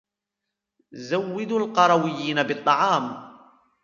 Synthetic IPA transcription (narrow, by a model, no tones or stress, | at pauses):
zawːɪd̪uːlqɑɾˤɑwɪjːiːnabɨt̪ˤːɑʕɑːm